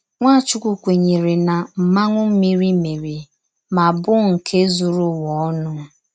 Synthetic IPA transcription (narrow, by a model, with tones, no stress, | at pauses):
ŋʷa˦˨t͡ʃʊ˦kʷu˨kʷe˨ɲe˨ɾe˨na˨m̩˨ma˦ŋʷʊ˦m̩˦mi˦ɾi˦mi˨ɾi˨ | ma˨bʊ˦ŋ̩˨kʰe˦zu˨ɾʊ˦wɔ˨˦nʊ˦